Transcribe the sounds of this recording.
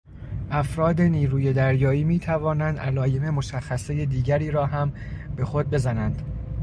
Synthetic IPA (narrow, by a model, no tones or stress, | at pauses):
ʔæfɾɒːd̪e̞niːɾuːje̞d̪æɾjɒːiːmiːt̪ʰævɒːnænd̪ʔælɒːje̞me̞mo̞ʃæxːæsejed̪iːɟæɾiːɾɒːɦæmbe̞xo̞d̪̚be̞zænænd̪̥